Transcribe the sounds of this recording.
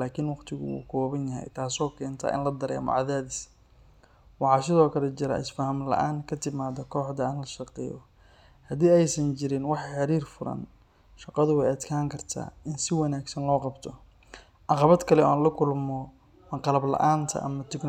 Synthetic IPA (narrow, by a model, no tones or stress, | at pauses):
laːkʰɪnwɑqt̪ʰɪɣʊ̰ṵːkʰɔːβɐnjɐɦɛ̰jt̪ʰaːsɔːkʰɛːnt̪ʰɐ̰ːʔɪ̰nlɐd̪ɐɾɛ̰ːmɔ̰ʕɑðaːðis | wɑħɑːsɪðɔːkʰɐlɛt͡ʃɪɾɐ̰ʔɪsfɐhɐmlɐ̰ʔaːŋkʰɐt̪ʰɪmaːðɐkʰɔːħd̪ɐɪnlɐʃɑqɛ̰ːjɔ | hɐd̪iːɛjsɐnt͡ʃɪɾɪnwɑħɑħɑɾiːrfʊɾɐ̰n | ʃɑqɑðʊwɛjɐd̪kʰaːŋkʰɐrt̪ʰa̰ːɪnsɪwɐnaːɡsɐnlɔːqɑbt̪ʰɔ | ʕɑqɑβɐd̪kʰɐlɛɔ̰ːaːnlɐkʰʊlmɔ | mɐqɑlɐblɐ̰ʔaːnt̪ʰɐ̰ʔɐ̰mɐt̪ʰɪɡ